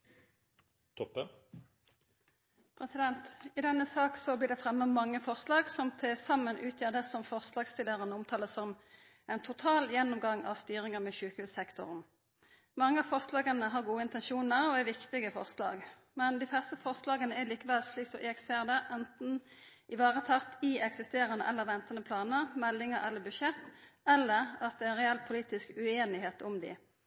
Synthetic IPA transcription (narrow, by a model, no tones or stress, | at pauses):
t̪ʰɔpːə | pʰʁɛsɪd̪ɛnt̪ɪd̪ɛnːəsɑːksɔbliːd̪ɛfʁɛmːəmɑŋːəfɔʁslɑːɡsɔmt̪ʰesɑmːənʔʉːt̪ʰjæːʁd̪əsɔmfɔʁslɑːɡst̪ɪlːəʁənəʊmt̪ʰɑːləsɔm | ɛɪnt̪ʰʊt̪ʰɑːljɛnːʊmɡɑŋːɑ̰ʋst̪yːʁɪŋəʁmɛʃʉːkəhʉːsɛkt̪ʊ̰ʁn | mɑŋːəɑfɔʁslɑːɡənəɦɑʁɡuːəɪnt̪ɛnʃuːnəɾɔɛɾʋɪkt̪ɪɡəfɔ̰ʁslɑ̰ːɡ | mɛnd̪ɪflɛst̪əfɔʁslɑːɡənəɛliːkəʋɛlsliːksɔʔeːkseːʁd̪əʔɛnt̪n̩ʔɪʋɑːʁət̪ʰɑʁt̪ɪɛksɪst̪eːɾənəʔɛlːəʁʋɛnt̪ənəpʰlɑːnəʁmɛlːɪŋəɾɛlːəbʉʃɛt̪ːɛlːəʁɑt̪̚d̪ɛɪnʁɛɛlpʰʊliːt̪ɪskʉeːnɪɦeːt̪ʊmd̪ɪ̰